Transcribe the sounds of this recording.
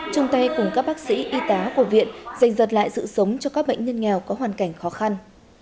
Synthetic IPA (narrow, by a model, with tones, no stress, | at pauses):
t͡ɕʊ˧ŋ͡mt̪a˧jkʊ˨˩ŋ͡mkaː˦˥k̚ɓaː˦˥k̚sḭ˧˥ʔi˧t̪aː˨˦ku˧˩əvḭ˧˨ənza˨˩jŋ̟zə˨˩t̬̚la̰ː˧˨jsɨ̰˧˨sə˨˦wŋ͡mt͡ɕɔ˧kaː˦˥k̚ɓə̰˧˨jŋ̟ɲə˧nŋɛ˨˩wkɔ˨˦ɦwaː˨˩nka˧˩jŋ̟xɔ˨˦xa˧n